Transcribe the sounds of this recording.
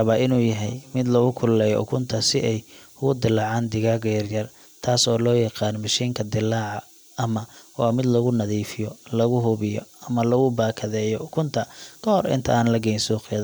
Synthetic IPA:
ɐβaʔɪnuːjɐɦɛ̰jmɪd̪lɐɣʊkʰʊlːɛːjɔ̰ʔʊ̰kʰʊnt̪ʰɐsɪʔɛj | ʊɣʊd̪ɪlːɑːʕaːnd̪ɪɣaːɡɛjɐrjɐr | t̪ʰaːsɔːlɔːjɑqɑːnmɐʃiːŋkʰɐd̪ɪlːaːʕɑ | ɐmɐwaːmɪd̪lɐɣʊnɐðiːfɪjɔlɐɣʊɦʊβɪjɔ̰ɐmɐlɐɣʊbaːkʰɐðɛːjɔʊkʰʊnt̪ʰɐkʰɐhɔɾɪ̰nt̪ʰɐaːnlɐɡɛjnsuːqɛð

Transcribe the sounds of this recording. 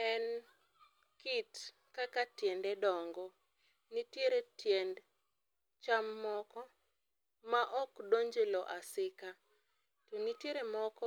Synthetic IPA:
ɛn | kit | kakatjendɛdɔŋɡɔ | nitjeɾetjend | t͡ʃamːɔkɔ | maʔɔkdoɲd͡ʒelɔʔasɪka | tonitjeɾemɔkɔ

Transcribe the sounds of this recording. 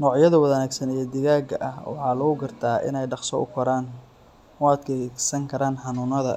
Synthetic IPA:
nɔːʕjɐðɐwɐðɐnaːɡsɐnijɔd̪ɪɣaːɡɐʔɐhwɑ̰ħɑːlɐɣʊɡɐrt̪ʰaːʔɪ̰nɛjɖɑqsɔʔʊ̰kʰɔɾaːn | had̪kʰɛsɐŋkʰɐɾaːnħɑnʊːnɐðɐ

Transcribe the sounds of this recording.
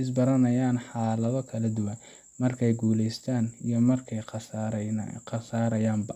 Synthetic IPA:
ɪs̬bɐɾɐnɐjaːnħɑːlɐðɔkʰɐlɐd̪ʊwɐn | mɐrkʰɛjɡuːlɛjst̪ʰaːnijɞmɐrkʰɛjs | ɐsaːɾɐjaːmbɐ

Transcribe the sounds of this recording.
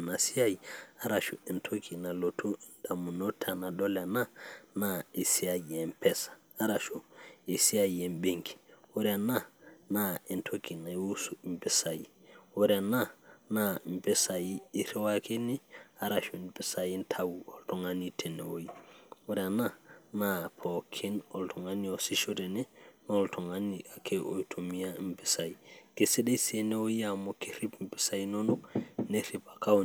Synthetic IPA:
nasiajiaɾaʃuintʰokinalotʰud̥amunotʰanadolananaesiaiempʰɛsḁːɾaʃuesiaiembeŋki̥woɾananaentʰokinawusuimpɛsajioɾananampɛsajiːɾɛwakeniaɾaʃunbɛsajintʰawuɔltɔŋanitʰɛnɛ̰wojiwɔɾananapʰɔkʰinɔltʰɔŋaniɔsiʃɔɾɛnɛnɔltʰɔŋaniakʰɛʔojtʰomijambɛsajikɛsɛɗɛsɛnɛwojijamɔkeɾipmbɛsajinɔnɔneɾibaka

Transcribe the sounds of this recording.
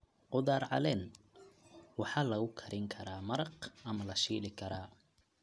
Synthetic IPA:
qʊðaːrʕɑ̰lɛːn | wɑħɑːlɐɣʊkʰɐɾɪŋkʰɐɾaːmɐɾɑqɐmɐlɐʃiːlɪkʰɐɾaː

